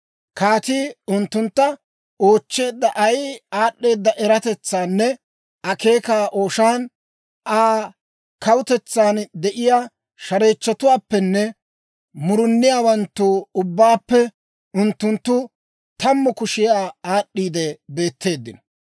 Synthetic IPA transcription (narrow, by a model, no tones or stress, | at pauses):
kaːt̪iːʊnt̪ːʊnt̪ːɐ | o̞ːt͡ʃːe̞ːd̪ːɐʔɐjaːɗːe̞ːd̪ːɐʔɛɾɐt̪ɛt͡sːaːnːɛ | ɐke̞ːkaːʔo̞ːʃaːn | ʔaː | kɐwʊt̪ɛt͡sːaːnd̪ɛʔɪjaː | ʃɐɾe̞ːt͡ʃːɐt̪ʊwaːpːɛnːɛ | mʊɾʊnːɪjaːwɐnt̪ːuːʊbːaːpːɛ | ʊnt̪ːʊnt̪ːʊ | t̪ɐmːʊkʊʃɪjaːaːɗːiːd̪ɛbe̞ːt̪ːe̞ːd̪ːɪnɔ̥